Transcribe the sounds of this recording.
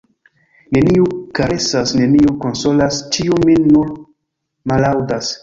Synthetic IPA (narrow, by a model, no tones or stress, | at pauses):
ne̞niukaɾe̞sasne̞niuko̞nso̞last͡ʃiuminːun | malawdas